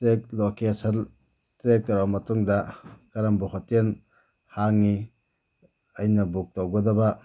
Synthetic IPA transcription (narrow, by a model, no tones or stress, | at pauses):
tɾek̚lokesɐl | tɾek̚tɐɾawmɐtuŋdɐkɐɾɐmbuɦɔten | haŋni | ɐjnɐbuk̚tɐwɡɐdɐbɐ